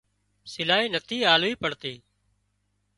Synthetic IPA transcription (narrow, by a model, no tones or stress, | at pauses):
sɪlaːiːnət̪ʰiːaːluiːpəɽt̪iː